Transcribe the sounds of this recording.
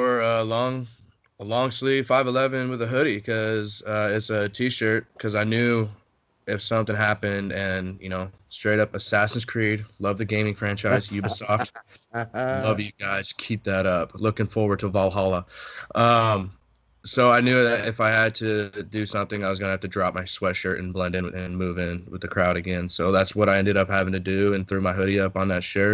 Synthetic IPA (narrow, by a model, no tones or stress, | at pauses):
wə˞ʌlɔ̃ŋ | lɔ̃ŋsli̥faɪvəlɛvɨ̃nwəðəɦʊɾikʰʌzʌɪtsɨtʰiʃɜ˞t̚kʰʌzaɪnjʉ | ɪfsʌ̃mθɪ̃ŋɦæpɨ̃ndɨ̃njɨñoʊstɹ̥eɪɾʌpəsæsn̩z̥kʰɹ̥id̚lʌvðɨɡẽɪ̃mɪ̃ŋfɹæ̃nt͡ʃaɪzjɨbɨsɔft | lʌvjɨɡaɪz̥kʰip̚ðɨɾʌpʰlʊkɪ̃ŋfɔɹwə˞d̚tʰəvɑlˠɦɑlˠəʔʌ̃m | soʊaɪnjʉðɨɾɪfaɪɨd̚tʰɨdɨsʌ̃mθɪ̃ŋaɪwʌzɡʌ̃nɨhæftɨdɹɑp̚maɪswɛʃə˞ʔɨ̰̃n̩blɛ̃ndɨ̃nɨ̃nmʉvɪ̃nwəðɨkʰɹ̥aʊɾɨɡɛ̃nsoʊðætswʌɾaɪɛ̃ndɨɾʌphævɪ̃ŋtʰɨdʉɨ̃nθɹʉmaɪɦʊɾiʌpn̩ðɨtʃɜ˞